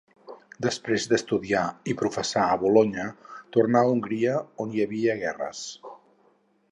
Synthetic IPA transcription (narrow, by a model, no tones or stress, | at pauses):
d̪əspɾezd̪əst̪uðiaipɾufəsaːβuloɲət̪urnauŋɡɾiəonjəβiəɣɛrə̰s